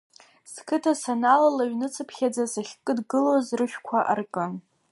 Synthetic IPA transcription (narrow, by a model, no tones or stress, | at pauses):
skʰɨtʰasanalalaɥnɨt͡sʰɨpʰχʲad͡zasaχʲkʼɨdɡɨlozrɨʃᶣkʷʰaʔa̰rkʼɨ